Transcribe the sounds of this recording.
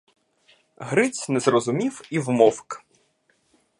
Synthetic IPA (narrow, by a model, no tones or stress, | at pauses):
ɦɾɪt͡sʲnɛzrɔzʊmʲiwiwmɔwk